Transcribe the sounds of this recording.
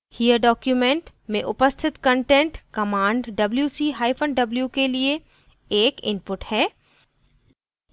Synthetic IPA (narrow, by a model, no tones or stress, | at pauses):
hijəɖɔːkjumẽɳʈmẽʔʊpəst̪ʰɪt̪kə̃ɳʈɛ̃ɳʈkɐmãːɳɖɖɐbljusiːɦaːipʰə̃ɳɖɖɐbljukelie | eːkɪ̰̃npʊʈhɛː